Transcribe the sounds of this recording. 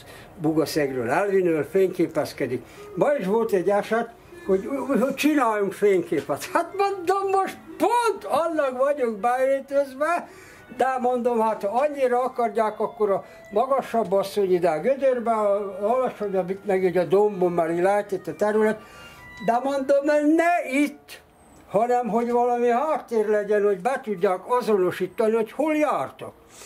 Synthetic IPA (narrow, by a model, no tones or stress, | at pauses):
buɡɒsɛɡrø̰ːlɛlʋinøːlfeːɲkeːpɛskɛd̪ikmɒiʃʋo̞lt̪ɛɟːɛʃɛt̪ | ho̞ɟhot͡ʃinaːjuŋkfeːŋkeːpɛt̪hat̪mond̪omːoʃt̪pont̪ɒlːɒɡʋɒɟuŋɡbɛeːt̪øzʋɛ | d̪ɛmond̪omhat̪hɒɒɲːiɾɒɒkɒrjaːkɒkːoɾɒ | mɒɡɒʃɒbːɒsːo̞ɲid̪ɛɡød̪ørbɛɒɒlɒʃoɲɒmit̪mɛɡiɟɒd̪ombomːɛliɡlɛɛt̪it̪ːɛt̪ɛɾylɛt̪d̪ɛmond̪omnɛit̪ː | hɒnɛmɦo̞ɟʋɒlɒmihaːt̪ːeːrlɛɟɛnho̞ɟbɛt̪uɟːaːkɒzono̞ʃiːt̪ːɒniho̞choljaːrt̪o̰k